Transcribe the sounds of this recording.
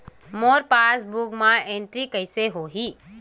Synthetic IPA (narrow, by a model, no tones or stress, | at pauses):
moːɾpasbukmãeɳʈɾikəɪseɦoɦi